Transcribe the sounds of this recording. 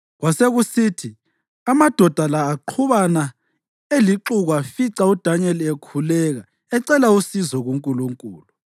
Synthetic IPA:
ɣwaseɣusiːtʰi | amad̥ʱɔd̥ʱalaːǃʰuβana | eliǁuɣafiǀaud̥ʱaɲɛlekʰulɛɣa | ɛǀɛlausizɔɣuŋkʼuluŋkʼuːlu

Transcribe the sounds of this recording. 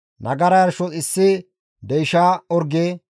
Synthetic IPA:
nʔɐɡɐɾɐjɐɾʃɔt͡sɪsːɪ | d̪ɛjʃaːɔɾɡeː

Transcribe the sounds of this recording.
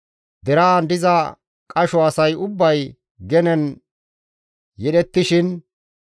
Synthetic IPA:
d̪ɛɾɐːnd̪ɪzɐ | kʼɐʃɔɐsɐjʊbːɐj | ɡɛnɛn | jɛɗɛt̪ːɪʃɪn

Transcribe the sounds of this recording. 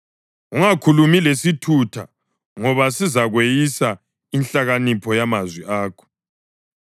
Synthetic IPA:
uŋakʰulumilesitʰutʰa̰ | ŋɔβasizaɣwejisa | inɬaɣanipʰɔjamazwiʔaːkʰɔ̥

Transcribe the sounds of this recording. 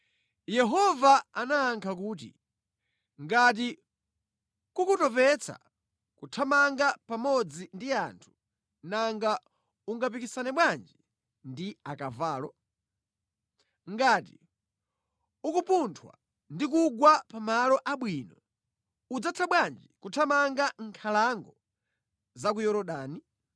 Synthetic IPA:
jɛɦɔvaanaːŋkʰak̬uːt̬ḭ | ŋɡat̬i | kukutɔpɛt͡sʰa̰ | kutʰamaŋɡapamɔd͡zindiantʰu̥ | naŋɡa | uŋɡap̬ikisanɛɓwand͡ʒi | ndiakavaːlɔ | ŋɡati | ukupuntʰwa̰ | ndik̬uɡwapamalɔʔaɓwinɔ | ud͡zat͡sʰaɓwand͡ʒikutʰamaŋɡaŋkʰalaŋɡɔ | zakujɔɾɔɗaːni

